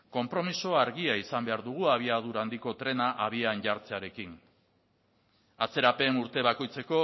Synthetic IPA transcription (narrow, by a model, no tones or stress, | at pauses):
ko̞mpɾo̞miso̞aɾɣiaisambe̞aɾðuɣ̞uaβ̞iað̞uɾand̪iko̞t̪ɾe̞naʔaβ̞ianʝaɾt͡seaɾe̞kin | at͡se̞ɾape̞nuɾt̪e̞βako̞jt͡se̞ko̞